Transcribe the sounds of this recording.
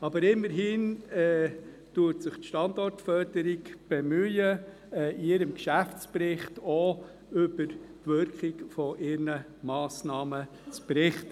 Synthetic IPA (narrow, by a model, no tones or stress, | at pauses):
ɑbəɾɪmːəɾɦiːnɛ | tutsɪχtʃtɑndɔrtfœɾd̥əɾiɡb̥emyə | ɛiɪɾəmkʃæft͡spɾɪχtɔ | ʏb̥əɾtʋʏɾkχiɡfɔʔɪɾnə | mɑːsnɑːmə | t͡spɾɪχtə